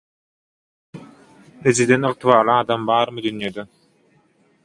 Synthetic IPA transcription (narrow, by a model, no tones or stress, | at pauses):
pɾed͡ʒid̪enɨʁt̪ʰɯβɑːɾlˠɯɑːd̪ɑmbɑːɾmɯd̪ynjed̪ø